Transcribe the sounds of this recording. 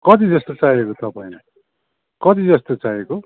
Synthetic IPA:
kʌt̪id͡zʌst̪ot͡sajekot̪ʌpaĩ | kʌt̪id͡zʌst̪ot͡sajeko

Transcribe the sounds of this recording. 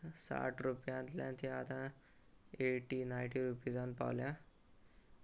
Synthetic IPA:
sa̰ʈʰɾupjãt̪ljã̰nt̪ʰiat̪ã | eʈinajʈiɾupid͡zanpa̰wlja

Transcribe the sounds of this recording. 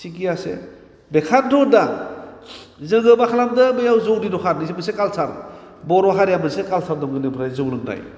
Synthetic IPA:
sikijasḛ | bekʰandʰɔda | zɯŋɡɯbakʰalamdɯmɯjawzowɾiɾɔkʰaɾnisembɯsekalsaɾ | bɔɾwaɦaɾjamɯnsekalsʰaɾdɔmɡɯnɯpʰɾajzɯwlɯŋna̰j

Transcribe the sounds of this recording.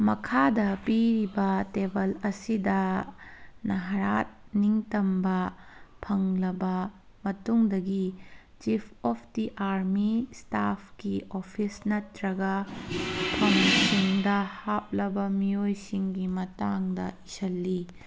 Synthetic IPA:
mɐkʰadɐpiɾibɐtebɐlɐsidɐ | nɐɦɐɾat̚niŋtɐmbɐpʰɐŋlɐbɐ | mɐtuŋdɐɡi | t͡ʃipʰɔpʰdiʔaɾmistapʰkiopʰisnɐtɾɐɡɐ | pʰɐŋsiŋdɐhap̚lɐbɐmiojsiŋɡimɐtaŋdɐ̰isɐlːi

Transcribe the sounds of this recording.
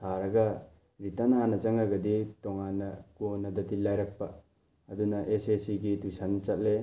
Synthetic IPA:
tʰaɾɐɡɐ | ɾitɐnanɐt͡ʃɐŋaɡɐditɔŋanːɐkonɐdɐtilajɾɐk̚pɐː | dunɐʔesesiɡidujsant͡ʃɐt̚le

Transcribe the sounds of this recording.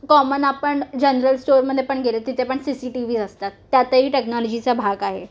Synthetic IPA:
kɔmənapəɳd͡ʑənɾəlsʈoɾməd̪ʱːjepəɳɡelet̪it̪ʰepəɳsisiːʈiʋiːd͡zəst̪at̪ːjat̪əɦiːʈeknɔlɔd͡ʑit͡sabʱaɡaɦe

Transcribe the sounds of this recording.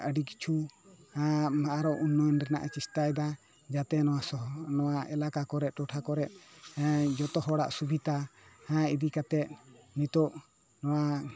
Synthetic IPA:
əɖiki̥t͡ʃʰuãaɾɔʔunːɔnɾɛna̰ʔat͡ʃist̪ajd̪a | d͡ʒat̪ɛnɔwasɔnɔwaɛlakakɔɾɛt̪̚ˀʈɔʈʰakɔɾɛt̪̚ | d͡ʒɔt̪ɔɦɔɽa̰ʔsubʱit̪ahãid̪ikat̪ɛt̪̚nit̪ɔʔ | nɔwa

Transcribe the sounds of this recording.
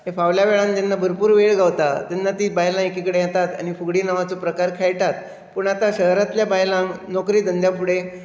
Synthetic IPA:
ɦefaʋljaʋeɭãnd͡ʑanːabʱəɾpuːɾʋeɭɡʱaʋt̪at̪janːat̪iːbajlãekikəɽejat̪at̪a̰ñifuɡɽiːnəʋat͡sopɾəkaɾkʰajʈat̪ | puɳat̪aɕəɦɾat̪ljabajlãŋɡnɔkɾiːd̪ənd̪japuɽe

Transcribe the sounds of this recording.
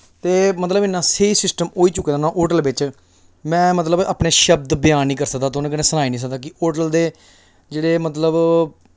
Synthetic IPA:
t̪eːmət̪ləbɪnːãːseːiːsɪsʈəmoːiːt͡ʃʊkːeːd̪anãːʔoːʈəlʋɪt͡ʃ | mɛ̃ːmət̪ləba̰ːpneːʃəbd̪bɪjaːnːĩːkəɾsək̚d̪aːt̪ːʊnãːkənẽːsənaːiːnĩsək̚d̪aːkɪoːʈəld̪eː | d͡ʒeːɽeːmət̪ləb

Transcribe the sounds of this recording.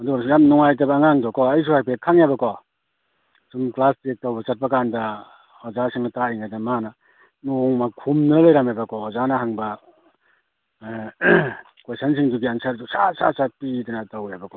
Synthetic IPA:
ɐduɡasjamnɔŋajt̬ɐbɐːŋaŋdɔkʰɔɐjs̬uhajpʰet̚kʰaŋjabɐkʰɔ | sumklastek̚tawbɐsat̚pakandɐ | hɔzasʰiŋnataiŋajdɐmanɐ | noŋmakʰumnɐlajɾamajbɐkʰɔɔzanɐɦaŋbɐ | kwesansʰiŋduɡiansaɾdusa̰sa̰sat̚pidanatawajbɐkʰɔ

